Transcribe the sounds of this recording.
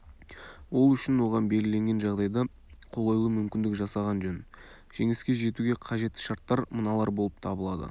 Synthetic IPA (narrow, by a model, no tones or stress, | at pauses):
wo̞lˠʏʃɪnwo̞ʁɑnbe̞lɡʲɪle̞ŋɡʲe̞nʒɑʁd̪ɑjd̪ɑ | qʰo̞lˠɑjlˠəmʏmkʲɪnd̪ɪkʒɑsɑʁɑnʒɵn | ʒ̥e̞ŋɪskʲe̞ʒe̞t̪uɡʲe̞qʰɑʒe̞t̪ːɪ̥ʃɑɾt̪ːɑɾmənɑlˠɑɾbo̞lˠəp̚t̪ʰɑbəlˠɑd̪ə̰